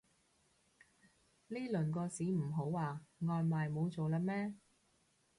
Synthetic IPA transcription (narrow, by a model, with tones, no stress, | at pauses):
liː˥lɵ˨˩nkɔː˧siː˨˥m̩˨˩ɦo˨˥waː˨˩ŋɔː˨˧nmaː˨jmo˨˧wt͡so˨wlaː˧mɛː˥